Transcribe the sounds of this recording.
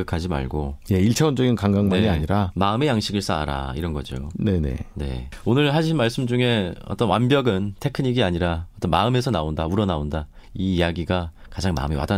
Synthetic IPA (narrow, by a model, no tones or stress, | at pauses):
ɯkʰad͡ʑima̰ɭɡoje̞iɭt͡ɕʰaond͡ʑʌɡinkaŋɡaŋmaɲiaɲiɾamaɯme̞jaŋɕʰiɡɯɭs͈aa̰ɾa̰iɾʌnɡʌd͡ʑio̰ne̞ne̞̰ne̞̰onɯɭɦaɕʰinmaɭs͈ɯmd͡ʑuŋe̞ʌ̰t͈ʌnwanbjʌɡɯntʰe̞kʰɯɲiɡiaɲiɾaʌt͈ʌnma̰ɯme̞sʰʌnaondauɾʌnaondaiːjaɡiɡakad͡ʑaŋma̰ɯmiwa̰da